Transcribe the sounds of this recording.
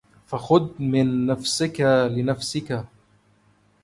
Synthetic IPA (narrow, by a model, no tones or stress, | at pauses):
faxʊd̪mɪnːafsɪkalɪnafsɪka